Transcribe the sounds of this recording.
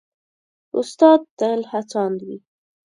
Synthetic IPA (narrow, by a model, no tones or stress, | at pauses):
ʊst̪ɑd̪̚ːəlhat͡sɑnd̪wi